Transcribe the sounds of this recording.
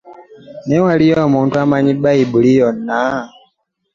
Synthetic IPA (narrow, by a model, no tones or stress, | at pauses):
newalijomuːntuamaɲibaibulijonːa